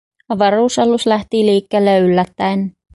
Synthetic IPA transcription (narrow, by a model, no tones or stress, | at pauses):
ɑʋɑruːsɑluslæht̪iliːkːeːlːeːylːæt̪ːæen